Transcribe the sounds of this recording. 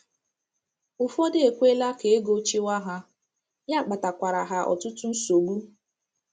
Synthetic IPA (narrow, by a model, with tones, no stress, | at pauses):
ʊ˨fɔ˦dɪ˦e˨kʷe˦la˦ke˨e˦ɡo˦t͡ʃi˦wa˦ɦa˦ | ja˦˨k͡pa˨ta˨kʷa˨ɾa˨ɦa˨ʔɔ̰˨tʊ˦tʊ˦n̩˦so˨ɡu˦